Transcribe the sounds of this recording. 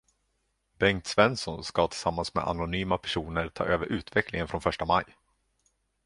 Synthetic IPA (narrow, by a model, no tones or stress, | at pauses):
bɛŋt̪svɛnsɔnskat̪ʰɪlsamːansmɛ̰a̰nʊnyːmapʰæ̥ʂuːnəɾʈʰɑ̰ːʔøːvəɾʔʉ̟ːt̪vɛklɪŋənfɾɔnfœʂʈamaj